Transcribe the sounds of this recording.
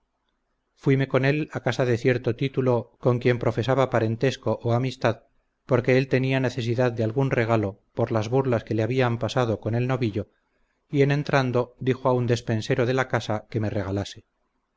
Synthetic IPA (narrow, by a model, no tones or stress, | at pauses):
fwime̞ko̞ne̞lakasaðe̞θje̞ɾt̪o̞t̪it̪ulo̞ko̞ŋkje̞mpɾo̞fe̞saβapaɾe̞nt̪e̞sko̞ʔoamist̪að | po̞ɾke̞elt̪e̞niane̞θe̞s̬iðaðd̪ealɣunre̞ɣ̞alo̞po̞ɾlazβuɾlaske̞leaβiampasað̞o̞ko̞ne̞lno̞βiʎo̞ | ienẽ̞nt̪ɾand̪o̞d̪ixoaund̪e̞spe̞nse̞ɾo̞ð̞e̞lakasake̞me̞re̞ɣ̞alase